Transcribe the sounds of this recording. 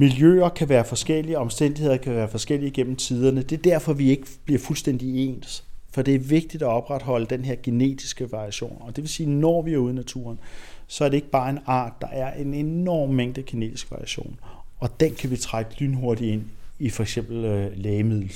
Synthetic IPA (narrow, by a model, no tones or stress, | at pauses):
miljø̰ːɐkʰæʋæːɐfɒ̽sɡ̥el̰iəɒ̽msd̥en̰d̥ihe̝ð̞̰ˠɐkʰæʋæːɐfɒ̽sɡ̥el̰iːɡ̥en̰m̩t͡sʰið̞ˠɐnəd̥e̝ɐd̥æɐ̰fɒ̽ʋie̝ɡ̥əb̥liɐfulsd̥en̰d̥ie̝̰ːnsfɒ̽d̥e̝æɐʋe̝ɡ̥̚d̥id̥æɒ̽b̥ʁad̥ɦɒ̽ləd̥enɦeɐ̰ɡ̥ine̝̰ːd̥isɡ̥əʋɑ̈ʁiæɕo̝̰ːnɒ̽d̥e̝ʋe̝siːnɒːʋiæɐuðˠnæt͡sʰṵːɐnsɒ̽æɐɾe̝e̝ɡ̥əb̥ɑ̈ːe̝nɑ̰̈ːd̥ːɑ̈ʔæɐʔe̝nenɒ̰ːmːeŋ̰d̥əkʰine̝̰ːd̥isɡ̥ʋɑ̈ʁiæɕo̝̰ːnɒ̽d̥enkʰæʋit͡sʰʁaɡ̥əlynɦo̝ɐd̥ie̝n̰ifɒ̽eɡ̥sem̰b̥l̩lɛːɪəmiðˠl̩